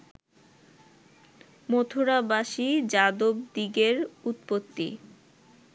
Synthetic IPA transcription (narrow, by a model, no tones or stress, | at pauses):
mot̪ʰoɾabaʃid͡ʑad̪ob̚d̪iɡeɾut̪pot̪ːḭ